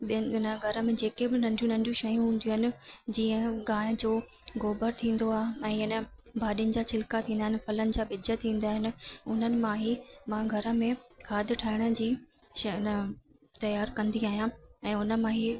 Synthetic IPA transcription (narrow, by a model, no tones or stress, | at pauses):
ɪnəɡʱɐɾə̆mẽd͡ʑeːkebɪnɐ̃ɳɖʱijũnɐ̃ɳɖijũʃɐjũɦũːn̆d̪ijuːɦɪnɪ̆d͡ʑiːə̃ɠãːɪd͡ʑoː | ɣoːbəɾt̪ʰĩːn̆d̪oaːɦɛ̃ːɪnə̆bʱaːɗijənɪ̆d͡ʑaːt͡ɕʰɪlkat̪ʰĩːnd̪aɦɪ̃nɪ̆fɐlənɪ̆d͡ʑaːɓɪd͡ʑət̪ʰĩːn̆d̪aːɦɪnɪ̆ʊn̤ənɪ̆mãːɦimãɡʱɐɾə̆mẽkʰaːd̪ʱɪʈʰaːɪɽ̃ə̆d͡ʑiːʃnə | t̪ɐjaːɾkɐ̃nd̪iaːɦijãɛ̃ːʊnə̆mãɦi